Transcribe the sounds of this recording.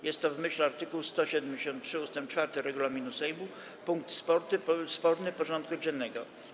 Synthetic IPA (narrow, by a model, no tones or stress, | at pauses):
jɛst̪ːɔvmɘɕlɛaɾt̪ɘkuwst̪ɔɕɛd̪ɛmd͡ʑeɕɔnt̪̚tʂɘust̪ɛmpt͡ʂfaɾt̪ɘɾɛɡulamʲinusɛjbu | puŋk̚t̪spɔɾt̪spɔɾnɘpɔʐɔnt̪̚kud͡ʑɛnːɛɡɔ